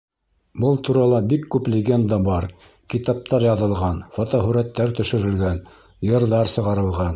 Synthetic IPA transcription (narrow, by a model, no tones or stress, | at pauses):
bɤlˠt̪uɾɑlˠɑbikːʉplʲɪɡʲend̪ɑbɑɾ | kit̪ɑp̚t̪ɑɾjɑðɤ̆lˠʁɑnfot̪ɑɦɵɾæt̪ːæɾt̪ɵ̆ʃɘ̆ɾɘ̆lɡæn | jɤ̆ɾðɑɾsɤ̆ʁɑɾɤ̆lˠʁɑn